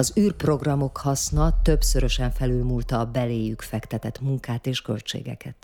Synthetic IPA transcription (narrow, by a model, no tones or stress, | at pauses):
ɒzyːrpro̞ɡrɒmo̞khɒsnɒt̪ø̞bsø̞ɾø̞ʃɛɱfɛlylmuːlt̪ɒːbɛleːjykfɛkt̪ɛt̪ɛt̪muŋkaːt̪eːʃkø̞lt͡ʃḛːɡɛ̰kʰɛ̰t̪